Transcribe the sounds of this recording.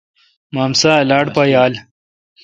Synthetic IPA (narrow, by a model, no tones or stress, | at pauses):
maːmsalaːɽpajaːl